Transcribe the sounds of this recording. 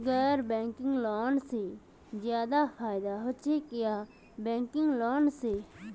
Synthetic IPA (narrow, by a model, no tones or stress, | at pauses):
ɡɛːɾbẽːŋkɪ̃ŋɡloːnseː | zjaːd̪aːfʰaːɪd̪aːɦʊt͡ʃʰeːkɪjaː | bɛ̃ːŋkɪŋɡloːnseː